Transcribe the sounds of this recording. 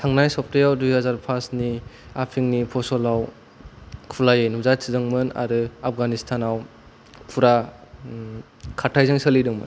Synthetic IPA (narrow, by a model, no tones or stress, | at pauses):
tʰaŋnajsɔp̚tijawdujhazaɾpʰasniapʰiŋnipʰɔsɔlaw | kʰulajejnuzasidɯŋmɯna̰ɾɯap̚ʰɡanistʰanaw | pʰuɾa | kʰatʰajzɯŋsɯlidɯŋmɯ̰n